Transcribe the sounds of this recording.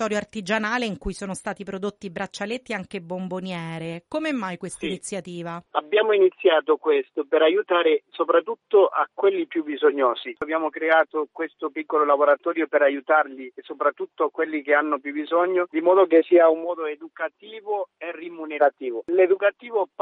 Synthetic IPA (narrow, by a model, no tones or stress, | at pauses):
t̪ɔːɾjoart̪id͡ʒanaːleiŋkujsoːnost̪aːt̪ipɾod̪ot̪ːibɾat͡ʃːalet̪ːiaŋk̟ebːombonjɛːɾekomɛmːajkwest̪ainit̪sːjat̪iːvaabːjaːmoinit̪sːjaːt̪okwest̪opeɾajut̪aːɾesopɾat̪ːut̪ːoʔakːwelːipjubizoɲːɔːsiabjaːmokɾeaːt̪okwest̪opikːololaboɾat̪ɔːɾjopeɾajut̪arlisopɾat̪ːut̪ːoakwelːikeanːopjubizɔɲːod̪imɔːd̪ok̬esiːaumːɔːd̪oed̪ukat̪iːvoerːimuneɾat̪iːvoled̪ukat̪iːvop